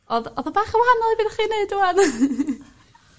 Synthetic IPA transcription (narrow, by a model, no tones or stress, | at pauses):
ɔðɔðəbaːχəwahanɔlˠibiːnaχiːneɨduwan